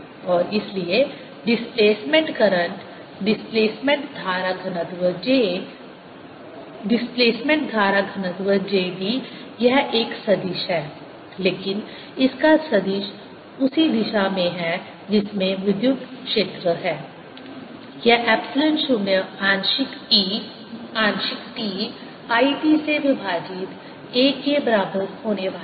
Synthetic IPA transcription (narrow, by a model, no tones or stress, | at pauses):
ɔːɾɪslie | ɖɪspleːsmẽɳʈkɐɾə̃ɳʈ | ɖɪspleːsmẽɳʈ̚d̪ʱaːɾaɡʱɐnəd̪ʋəd͡ʒe | ɖɪspleːsmẽɳʈ̚d̪ʱaːɾaɡʱɐnəd̪ʋəd͡ʒeːb̪ʱi | jɛɦeːksɐd̪iːʃɦɛː | leːkɪn | ɪskasɐd̪iːʃ | ʊsid̪ɪʃamẽɦɛ | d͡ʒɪsmẽʋɪd̪jʊk̚t̪kʃeːt̪ɾəɦɛː | jɛɦʔɛːpsɪlə̃ɳʈʃumjəãːnʃɪki | ãːnʃɪkʈiː | aːiːʈiseʋɪbʱaːd͡ʒɪt̪ | eːkebɐɾaːbəɾhoːneʋaː